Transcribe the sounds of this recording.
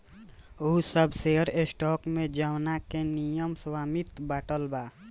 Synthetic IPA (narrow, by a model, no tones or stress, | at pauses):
usəbseəɾesʈɔːkmẽd͡ʒəwnakenijəmswaːmit̪baːʈəlba